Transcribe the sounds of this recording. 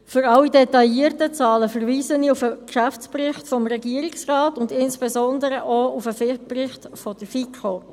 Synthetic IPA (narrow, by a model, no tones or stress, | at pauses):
fʏɾɑwidɛtɑjiːərtət͡sɑːləfəɾviːzəniufəkʃæft͡sprɪχtfɔmɾɛɡiːəɾiksrɑːtʊndɪnsb̥ɛzɔndəɾəʔɔufəfɪprɪχtfɔd̥əfikʰo